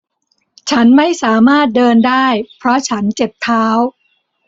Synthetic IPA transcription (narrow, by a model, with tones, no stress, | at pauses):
t͡ɕʰa˦˥nma˥˩jsaː˩˦maː˥˩t̪̚dɤː˧ndaː˥˩jpʰɾɔ˦˥t͡ɕʰa˦˥nt͡ɕe˨˩p̚t̪ʰaː˦˥w